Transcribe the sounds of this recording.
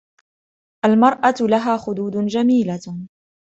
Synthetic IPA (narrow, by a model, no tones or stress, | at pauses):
ʔalmɑɾˤʔɑlaɦaːxʊd̪uːd̪d͡ʒamiːla